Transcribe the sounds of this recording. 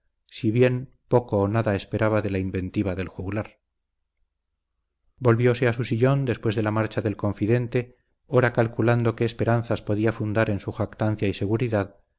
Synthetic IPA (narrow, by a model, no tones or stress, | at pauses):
siβje̞n | po̞koːnaðaespe̞ɾaβaðe̞laimbe̞nt̪iβ̞aðe̞lxuɣlaɾ | bo̞lβjo̞se̞asusiʎo̞nd̪e̞spwe̞zðe̞lamaɾt͡ʃaðe̞lkõ̞ɱfiðe̞nt̪e̞ | oɾakalkuland̪o̞ke̞ːspe̞ɾan̟θaspo̞ðiafund̪aɾe̞nsuxakt̪an̟θjaise̞ɣuɾiðað